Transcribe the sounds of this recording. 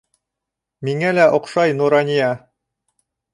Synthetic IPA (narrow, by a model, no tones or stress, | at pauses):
miŋælæʔŏqʃɑjnuɾɑnʲijɑ